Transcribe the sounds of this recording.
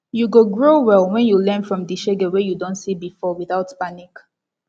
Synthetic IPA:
juɡoɡɹowɛlwɛ̃njulɛ̃nfɹɔ̃mdiʃeɡɛwɛjudõntsibifɔwiθaʊtpanik

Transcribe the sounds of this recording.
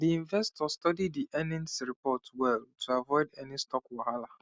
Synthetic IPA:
diĩnvɛstʰɔstɔdidːiʔɛnɛ̃nsɹipʰɔtwɛltʰuavɔɪdɛnistʰɔkwaɦala

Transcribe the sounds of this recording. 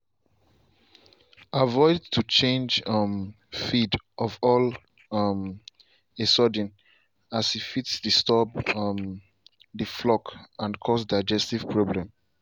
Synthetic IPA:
avɔɪdtʰut͡ʃẽnd͡ʒʌm | fidʔɔvɔl | m | esɔdĩn | asifitsdistɔbm | ðəflɔkãnkʰɔsdaɪd͡ʒɛstiv̥pʰɹoblɛ̃m

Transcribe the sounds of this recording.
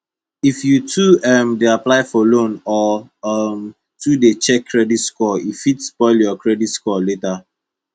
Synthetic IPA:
ifjutʰuɛmdeaplaɪfɔlõnɔm | tʰudet͡ʃɛkʰːɹɛditskɔifitspɔɪljɔkɹɛditskɔleta

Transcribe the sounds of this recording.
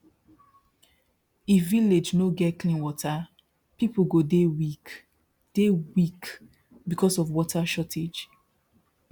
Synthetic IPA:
iviled͡ʒnoɡɛtklĩnwɔtʰa | pipoɡodewik | d̥ewik | bikʰɔsɔfwɔtʰaʃɔtʰed͡ʒ

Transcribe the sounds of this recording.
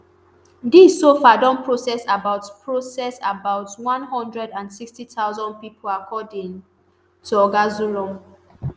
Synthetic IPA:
disːofadɔ̃mpʰɹosɛsabaʊtpʰɹosɛsabaʊtwɔ̃nɦɔ̃ndɹɛdãnsikstitʰaʊzɔ̃n̚pipʰolakʰɔdĩŋ | tuɔɡazuɹɔ̃m

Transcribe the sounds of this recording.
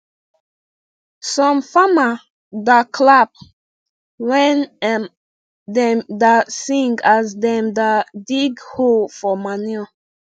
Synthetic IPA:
sɔ̃mfama | dakʰlap̚ | wɛn | d̪ɛ̃mdasĩŋɡazdɛ̃md̪adiɡholfɔmanɔ

